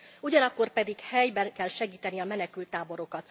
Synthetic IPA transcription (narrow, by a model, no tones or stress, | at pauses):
uɟɒnɒkːo̞rpɛd̪ikhɛjbɛnkɛlʃɛɡiːt̪ɛniɒmɛnɛkylt̪ːaːbo̞ɾo̞kɒt̪